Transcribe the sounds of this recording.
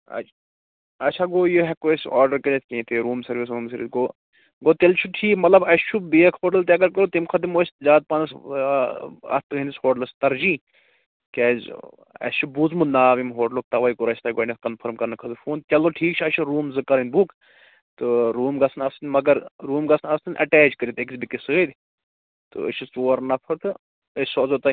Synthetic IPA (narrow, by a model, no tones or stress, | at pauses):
ɐ̰t͡ʃʰ | ɐt͡ʃʰaɡoːjoɦɛkoesaːɾɖɐɾkɐlʲet̪ʲkʲẽːt̪eɾuːmsɐɾʋis̬ɾuːmsɐɾʋisɡoː | ɡoːt̪elt͡ʃʰuʈʰiːkmɐt̪lɐbɐst͡ʃʰubeekʰoːʈɐlt̪eɐɡɐɾkɐɾot̪imkʰɐd̪imoːsʲzaːd̪̚pɐnɐs | ɐ̰t̪ɨɦinishoːʈlɐst̪ɐɾd͡ʒĩː | kɛːz | ɐ̰st͡ʃʰubuzmunaːʋimɦoːɖloːk̚t̪ɐʋɐikuɾɐsʲt̪ɐːɡoːnɐkɐnpʰɐɾmkɐɾnɨkʰɐd̪ufʰuːnt̪ʲɐloʈʰiːkt͡ʃʰɐʃʰiɾuːmzɨkɐɾɐnʲbuk | t̪ɨɾuːmɡɐsʰnɐst̪inʲmɐɡɐɾɾuːmɡɐsnɐst̪inʲʔɐ̰ʈɛːd͡ʒkɐɾit̪eksbikisɨəd̪ʲ | t̪ɨ̰ə̰ʃʰisoːɾnɐpʰɐɾt̪ɨ | ɐsozot̪ɐ